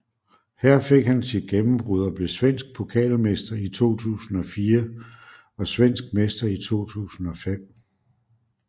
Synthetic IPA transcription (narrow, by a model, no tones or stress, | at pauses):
hæɐ̰fe̝ɡ̥hænsid̥ɡ̥emm̩b̥ʁuð̞ˠɐb̥le̝sʋen̰sɡ̥̚pʰo̝kʰɛ̰ːlmesd̥ɐit͡sʰo̝̰ːt͡sʰṵːsn̩ɒ̽fiːɐ | ɒ̽sʋen̰sɡ̥̚mesd̥ɐit͡sʰo̝̰ːt͡sʰṵːsn̩ɒ̽fem̰